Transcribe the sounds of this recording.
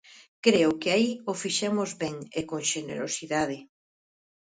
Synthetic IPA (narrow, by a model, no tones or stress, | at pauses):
kɾeʊkɪaiofiʃɛmʊzβɛŋekoŋʃenḛɾo̰siðaðɪ